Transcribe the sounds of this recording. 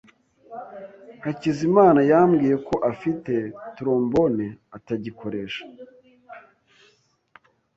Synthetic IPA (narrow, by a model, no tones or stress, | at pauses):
hacizimaːnajaːmɡiːje̞ko̞ʔafite̞tuɾo̞ːmbo̞neataɟiko̞ɾe̞ːʃḁ